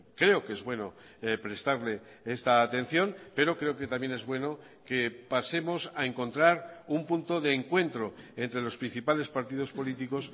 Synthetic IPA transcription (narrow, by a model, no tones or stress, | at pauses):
kɾe̞okeezβwe̞no̞ | pɾe̞st̪aɾle̞ | est̪aːt̪e̞n̟θjo̞npe̞ɾo̞kɾe̞oke̞t̪amje̞ne̞zβwe̞no | ke̞pase̞mo̞sae̞ŋko̞nt̪ɾaɾumpunt̪o̞ðeːŋkwe̞nt̪ɾo̞e̞nt̪ɾe̞lo̞spɾin̟θipale̞spaɾt̪ið̞o̞spo̞lit̪iko̞s